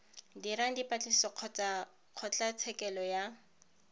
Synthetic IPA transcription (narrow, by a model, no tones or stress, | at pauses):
diɾaŋ̩dipat͡ɬʼisɔ | q͡χʰɔt͡ɬat͡sʰɛkɛlɔja